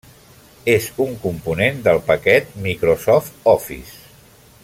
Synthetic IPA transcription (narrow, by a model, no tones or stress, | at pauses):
ezuŋkumpunend̪əlˠpəkɛt̪̚mikɾosɔft̪ɔfḭs